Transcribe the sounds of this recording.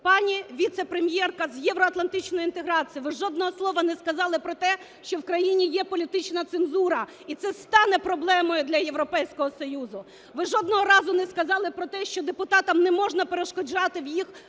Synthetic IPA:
pɑnʲiʋʲit̪sɛpɾemʲjɛrkɐzjɛʋɾɔɐt̪lˠɐnt̪ɪt͡ʃnɔjʊint̪eɦɾɑt͡sʲijiʋɪʒɔd̪nɔɦɔslˠɔʋɐnɛskɐzɑlˠɪpɾɔt̪ɛ | ʃt͡ʃɔwkɾɐjinʲijɛpɔlʲit̪ɪt͡ʃnɐt̪senzuɾɐ | it̪sɛst̪ɑnɛpɾɔblˠɛmɔjʊd̪lʲɐjeʋɾɔpɛjsʲkɔɦɔsɔjuzʊ | ʋɪʒɔd̪nɔɦɔɾɑzʊnɛskɐzɑlˠɪpɾɔt̪ɛʃt͡ʃɔd̪epʊt̪ɑt̪ɐmnɛmɔʒnɐpeɾeʃkɔd͡ʒɑt̪ɪwjix

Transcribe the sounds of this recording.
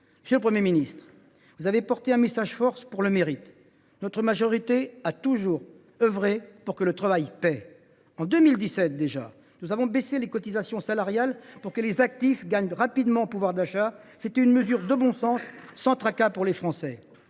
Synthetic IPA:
məsjølpχəmjeminist̪χ | vuzavepɔʁt̪eɛ̃mesaʒfɔʁspuʁləmeʁit̪ | nɔt̪χəmaʒɔʁit̪eat̪uʒuːʁ | œvʁepuʁkələt̪χavajpɛ | ɑ̃d̪ømild̪isɛt̪̚d̪eʒa̰ | nuzavɔ̃beselekɔt̪izasjɔ̃salaʁjalpuʁkəlezak̚t̪ifɡaɲʁapid̪mɑ̃puvwaʁd̪aʃaset̪ɛynməzyʁd̪əbɔ̃sɑ̃sːɑ̃t̪χakapuʁlefχɑ̃sɛ

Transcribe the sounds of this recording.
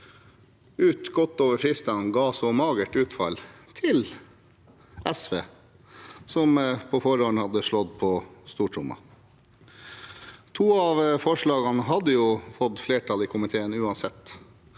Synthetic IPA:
ʉːt̪ɡɔt̪ːoːʋəɾfɾɪst̪ɑnɡɑːsɔmɑːɡəʈʉːt̪fɑ̰lt̪ʰɪl | ʔɛsʋeː | sɔmpʰɔːfɔɾoːɳəhɑd̪əʂɭɔd̪pʰɔst̪uːʈʰɾʊ̰mɑ̰ | t̪ʰuːɑʋfɔʂɭɑːɡɑnəɦɑd̪ːəjuːfɔd̪fleːʈʰɑliːkʰʊmɪt̪ʰeːənʉːɑnsɛt̪ː

